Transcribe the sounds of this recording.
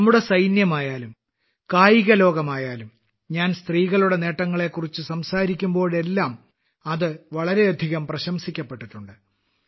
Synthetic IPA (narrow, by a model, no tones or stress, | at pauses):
ɐmːuɽe̞sɐjnjɐmaːjaːlum | kaːjiɣɐlo̞ːɡɐmaːjaːlum | ɲaːnst̪riːɣɐɭuɽe̞ne̞ːʈːɐŋːɐɭe̞kːurit͡ɕːɨsɐmsaːɾikʲːumbo̞ːɭe̞lːaːm | ɐðɨʋɐɭɐɾe̞ɐd̪ʱiɣɐmprɐɕɐmsikʲːɐpːe̞ʈːiʈːuɳɖɨ